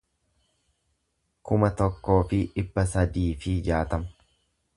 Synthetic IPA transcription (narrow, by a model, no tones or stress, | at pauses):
kʊmɐt̪ɔkːo̞ːfɪᶑɪbːɐsɐd̪iːfɪd͡ʒaːt̪ɐmɐ̥